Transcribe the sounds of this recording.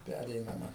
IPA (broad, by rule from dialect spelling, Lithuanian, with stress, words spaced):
ˈpʲærʲɛɪnɐmɐ